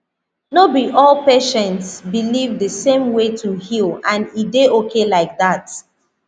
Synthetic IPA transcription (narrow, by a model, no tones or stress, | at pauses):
nobiʔɔlpeʃɛ̃ntsbilivdəsẽmwetʰuhilˠãnideokʰelaɪk̚ðat